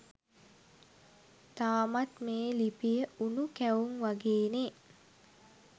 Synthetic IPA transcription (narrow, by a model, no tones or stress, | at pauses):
t̪aːmat̪meːlipijəunukæwuŋʋaɡeːne